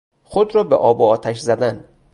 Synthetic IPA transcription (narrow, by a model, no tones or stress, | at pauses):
xod̪ɾɒːbeʔɒːboɒːt̪ʰæʃzæd̪æn